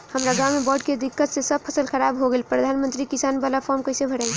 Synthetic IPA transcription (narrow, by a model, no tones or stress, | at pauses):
həmɾaɡawmːebəɖked̪ikːət̪sesəb̚pʰəsəlxəɾabɦoɡelpɾəd̪ʱanmənt̪ɾikisanbalapʰɔɾmkəɪsebʱəɽɛl